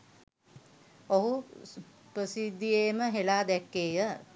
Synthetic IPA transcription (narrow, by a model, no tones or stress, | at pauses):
oɦu | pɾəsid̪ːijeːməɦelaːd̪ɛkːeːjə